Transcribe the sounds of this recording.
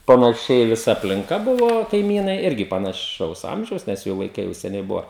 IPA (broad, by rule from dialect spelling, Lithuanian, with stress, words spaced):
pɐnɐˈʃʲɛɪ ʋʲɪˈsɐ ɐpʲlʲɪŋˈkɐ ˈbʊʋoː kɐɪˈmʲiːnɐɪ ˈɪrʲɡʲɪ pɐnɐˈʃɐʊs ˈɐmʲʒʲɛʊs nʲɛs ˈjuː ʋɐɪˈkɐɪ jɛʊ sʲɛˈnʲɛɪ ˈbʊʋɐ